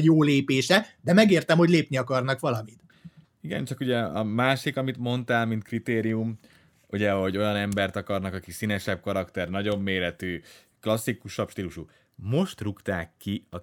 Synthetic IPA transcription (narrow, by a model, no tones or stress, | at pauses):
joːleːpeːʃɛd̪ɛmɛɡeːrt̪ɛmho̞ɟleːpniɒkɒrnɒkʋɒlɒmit̪ | iɡɛ̰nt͡ʃɒkuɟɛɒmaːʃikɒmit̪mo̞nt̪aːlmint̪krit̪eːɾijum | uɟɛɦo̞ɟo̞jɒnɛmbɛrt̪ɒkɒrnɒkɒkisinɛʃɛb̚kɒɾɒkt̪ɛrnɒɟo̞mːeːɾɛt̪yː | klɒsːikuʃɒpʃt̪iːluʃu | mo̞ʃt̪rukt̪aːkːiɒ